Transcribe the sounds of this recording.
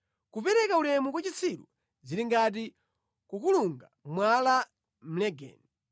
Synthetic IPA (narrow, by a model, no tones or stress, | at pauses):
kupɛɾɛkaulɛmukwat͡ʃit͡sʰiɾṵ | ziɾiŋɡat̬i | kukuluŋɡamwala | m̩lɛɡɛ̰ːni